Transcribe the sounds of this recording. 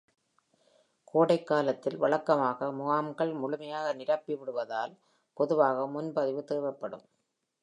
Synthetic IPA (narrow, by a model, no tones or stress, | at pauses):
kʰoːɽɐɪkːaːlɐt̪ːɪlʋɐɭɐkːɐmaːɣɐmʊɣaːmɡɐɭmʊɭʊmɐjaːɣɐnɪɾɐpːɪʋɪɽɯʋɐðaːl | pɔðɯʋaːɣɐmʊnbɐðɪʋɯt̪eːʋɐpːɐɽɯ̰m